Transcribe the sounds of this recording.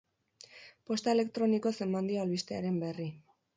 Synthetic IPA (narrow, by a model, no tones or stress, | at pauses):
po̞st̪aele̞kt̪ɾo̞niko̞se̞mband̪iaalβist̪eaɾe̞mbe̞ri